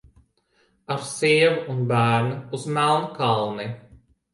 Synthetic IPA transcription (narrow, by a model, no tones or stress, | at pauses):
aɾsiɛvuunbæːɾnɨuzmælˠnkalˠni